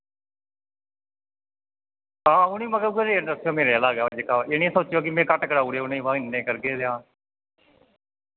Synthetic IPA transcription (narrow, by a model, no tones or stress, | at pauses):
ɦãːʊnĩːməɡəɡəɾeːnd̪əsjoːmeːɾealaːɡaːad͡ʒekaːeːnĩsoːt͡ʃjoːkɪmɛ̃ːkəʈkəɽaːuːɽeːʊnĩːʋãːɪnːẽːkəɾɡeːd̪eãː